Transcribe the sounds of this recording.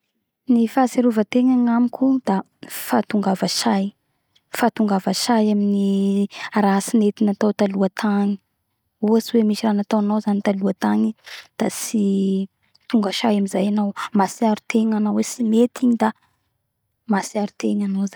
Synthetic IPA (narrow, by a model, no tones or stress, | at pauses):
nifaseɾuvət̪eŋaŋamikʲʰud̪a | fat̪uŋɡavaʃaj | fat̪uŋɡavaʃajamini | ɾasinet̪inat̪awt̪aluat̪ʰaŋi̥ | uat͡siwemiʃiranat̪awanawzanit̪aluat̪aɲid̪̥asi | t̪uŋɡaʃajamizajanawmasiaɾut̪eɲanawesimet̪ʰiɲid̪a | masiaɾut̪eɲanawza